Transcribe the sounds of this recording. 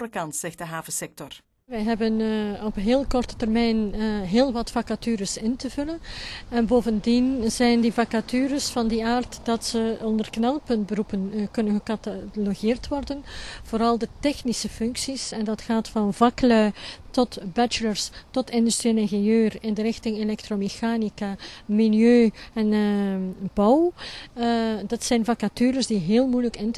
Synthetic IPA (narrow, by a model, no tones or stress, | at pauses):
ɾəkɑntsɛxtdəɦaːvəsɛk̚tɔr | ʋɛjɦɛbənɔpɦeːlˠkɔrtə̥tərmɛjnɦeːlˠʋɑtfɑkatyːɾəsɪntəvɵlənɛnboːvəndinz̥ɛjndifɑkatyːɾəsfɑndiaːrtd̥ɑtsəɔndərknɛlˠpɵntbəɾupənkɵnənɣəkataloɣɪːrtʋɔrdənv̥oːɾɑlˠdətɛxnisəfʏŋksisɛndɑtxaːtfɑnvɑklœɥtɔtbɛt͡ʃələrstɔtɪndystɾiɛnɛŋɣejøːrɪndəɾɪxtɪŋelɛk̚tromexaːnikamiljøːɛn | bɔw | dɑtsɛjnvakatyːɾəsdiɦeːlˠmujləkɪnt